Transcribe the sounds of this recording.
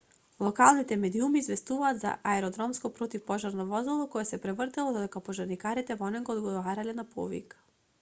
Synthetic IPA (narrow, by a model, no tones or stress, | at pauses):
lˠɔkalˠnit̪ɛmɛd̪iumiːzvɛst̪uvaːt̪za̰ʔaɛɾɔd̪ɾɔmskɔpɾɔt̪ifpɔʒaɾnɔvɔzɔlˠɔkɔjɛsɛpɾɛvrt̪ɛlˠɔd̪ɔd̪ɛkapɔʒaɾnikaɾit̪ɛvɔnɛɡɔːd̪ɡɔvaɾalɛnapʰɔ̰vḭk